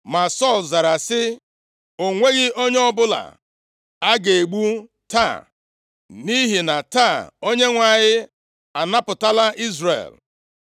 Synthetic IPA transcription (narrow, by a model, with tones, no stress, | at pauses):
ma˨sɔ˦˨lza˨ɾa˨sɪ˦ | o˨ŋʷe˦ɣɪ˦o˦ɲe˦ɔ˦bʊ˦la̰˨ | a˦ɡe˨e˨ɡ͡bu˦ | ta̰˦˨ | ni˦ɦi˨na˨ta˦˨o˦ɲe˦ŋʷa˨ɲɪ˦ | a˨na˦pʊ˨ta˦la˦ʔi˦zrḛ˨l